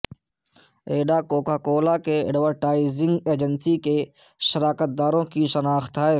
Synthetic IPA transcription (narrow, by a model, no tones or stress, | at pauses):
eːɖakoːkaːkoːlakeɛ̰ɖʋəɾʈaːɪzɪ̃ŋɡeːd͡ʒənsike | ʃəɾaːkət̪̚d̪aːɾõkiʃənaːxt̪ɦɛ